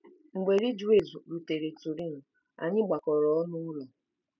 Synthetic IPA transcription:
ŋ͡m̩˨ɡ͡be˨ɾi˦d͡ʒu˦e˨zu˨ɾu˨te˨ɾe˨tu˨ɾi˦˨n̩˨ | a̰˨ɲɪ˦ɡ͡ba˨kɔ˨ɾɔ˨ɔ˦nʊ˦ɾu˨

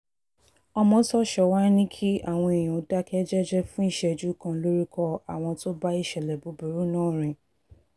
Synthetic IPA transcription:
ɔ˧mɔ̃˧tɔ˦ʃɔ˨wa˦nĩ˦kʰi˦a˦˨w̃ɔ̃˧e˨j̃ã˨o˨˦da˦kɛ˦d͡ʒɛ˦d͡ʒɛ˦fũ˦i˦˨ʃɛ˧˨d͡ʒu˨˦kã˧lo˦ɾi˦kʰɔ˧a˨w̃ɔ̃˧to˦ba˦i˦˨ʃɛ˨lɛ˨bo˨˦bu˨ɾu˦nãː˦˨ɾ̃ĩ˨

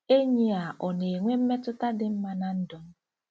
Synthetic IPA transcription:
e˦ɲi˦a˨ʔɔ˨ne˨ŋʷe˦m̩˦me˦tʊ˦ta˦dɪ˦m̩˦ma˦na˦n̩˦dɔ˨m̩˦

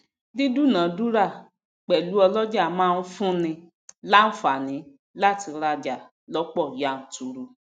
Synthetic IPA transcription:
di˦du˦˨nã˨˦du˦ɾa˦˨ | k͡pɛ˨lu˨˦ɔ˧lɔ˦d͡ʒa˦˨mãː˦˧n̩˦fũ˦nĩ˧ | la˦n̩˦fa˨nĩ˨˦ | la˦ti˧ɾa˧d͡ʒa˨ | lɔ˨˦k͡pɔ˦˨ja˦˨n̩˨tu˨ɾu˧

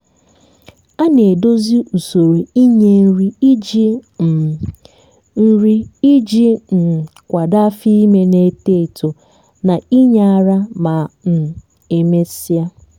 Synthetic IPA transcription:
a˦ne˨do˦zi˦ʔu˨so˨ɾi˨i˦ɲe˦ɾi˦i˦d͡ʒi˦˨ | n̩˦ɾi˦i˦d͡ʒi˦n̩˨kʷa˨da˦fi˦i˦me˦ne˨te˦i˨to˨ | na˨i˦ɲa˦a˨ɾa˦ma˨n̩˨ | e˨me˦si˦a˦

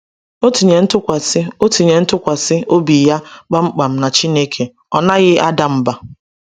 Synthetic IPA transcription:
o˦ti˨ɲe˨n̩˦tʊ˦kʷa˨sɪ˦o˦ti˨ɲe˨n̩˦tʊ˦kʷa˨sɪ˦o˦bi˨ja˦k͡pa˦ŋ͡m̩˦k͡pa˨m̩˦na˨t͡ʃi˦ne˦kʰe˨ | ɔ˨na˦ɣɪ˦ʔa˦da˨m̩˦ba˨

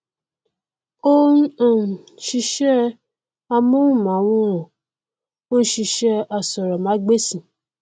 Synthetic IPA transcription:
o˦ã˦˨ʃi˧ʃɛ˦ | a˧mũ˦ũ˦˨mã˨˦w̃ɔ̃˧ɔ̃˨ | o˦n̩˦ʃi˧ʃɛ˧a˧sɔ˨ɾɔ˨mã˨˦ɡ͡be˦sĩ˧˨

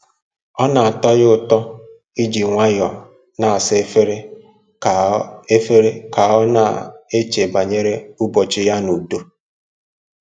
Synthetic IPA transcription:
ɔ˦na˨a˨tɔ˦jʊ˦tɔ˦ | i˦d͡ʒi˨ŋʷa˦jɔ˨ | na˨a˨se˦fe˦ɾe˦ | a˨e˦fe˦ɾe˦ka˨ɔ˦na̰˨e˦t͡ʃe˨ba˨ɲe˦ɾe˦ʊ˦bɔ˨t͡ʃɪ˦ja˦nu˨do˦

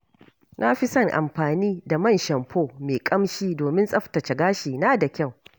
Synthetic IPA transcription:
nʔa˦ɸɪ˦sɐ˦˨ŋʔa̰˨mɸaː˨niː˦da˨mɐ˦˨nʃɐ˨mɸʰoː˦˨meː˨kʼɐ˦mʃiː˦doː˨mɪ˦nsʼɐ˦ɸtɐ˨t͡ʃɐ˨ɡaː˦ʃiː˨na˦da˨kʲɐ˦˨w

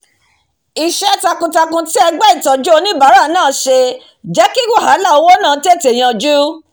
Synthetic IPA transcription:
i˨ʃɛ˦ta˧kũ˧ta˧kũ˧ti˦ɛ˧ɡ͡bɛ˦i˦˨tɔ˨d͡ʒu˦o˧nĩ˦ba˨˦ɾa˦˨˦nãː˦˨˦ʃe˧ | d͡ʒɛ˨˦ki˦ɡu˦˨ɦa˨˦la˦˨o˧wo˦nãː˦˨˧ti˦e˦˨te˨j̃ã˧d͡ʒu˦

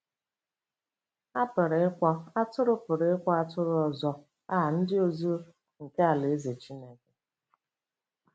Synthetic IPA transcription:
a˦pʊ˨ɾɪ˨˦ɪ˦kʷɔ˦a˦tʊ˦ɾʊ˦pʊ˨ɾe˨˦ɪ˦kʷɔ˦a˦tʊ˦ɾʊ˦ɔ˨zɔ˦ | a˦ɦa˨n̩˦dɪ˦o˦zo˦ | ŋ̩˨ke˦a˨le˨e˦ze˨t͡ʃi˦ne˦ke˨

